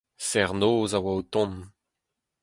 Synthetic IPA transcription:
sɛʁnoːzawaut̪ɔ̃n

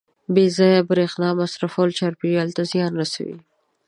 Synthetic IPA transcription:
bezɑjabɾexnɑmasɾafolt͡ʃaɾpialt̪azjɑnɾasa̰wḭ

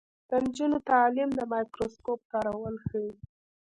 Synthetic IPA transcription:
d̪̥ənd͡ʒunot̪ɑlɪmd̪əmɑjkɾoskop̚k̪ɑɾawəlxəwi

